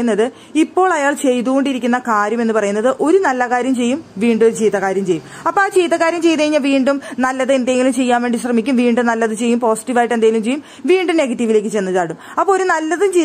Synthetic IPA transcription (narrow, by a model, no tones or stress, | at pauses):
nːɐðɨ | ipːo̞ːɭɐjaːɭt͡ɕe̞jt̪uɣo̞ɳɖiɾikʲːunːɐkaːɾjɐmenːɨpɐrɐjunːɐðɨʔo̞ɾunɐlːɐkaːɾjɐmt͡ɕe̞jːumʋiːɳɖoɾut͡ɕiːðɐkaːɾjɐmt͡ɕe̞jːum | ɐpːoaːt͡ɕejðɐkːaːɾjɐmt͡ɕe̞jt̪ɐjiɲːɐʋiːɳɖumnɐlːɐðɨend̪eŋɡilumt͡ɕe̞jːaːnʋe̞ːɳɖiɕrɐmikʲːumʋiːɳɖumnɐlːɐðɨt͡ɕe̞jːumpo̞ːsi̥ʈːiʋaːjiʈːɨend̪aːŋːɡilumt͡ɕejːum | ʋiːɳɖɨne̞ɡɐtːiʋile̞ːk̬ːɨt͡ɕenːɨðaːɽumɐpːoːoɾunɐlːɐðumt͡ɕe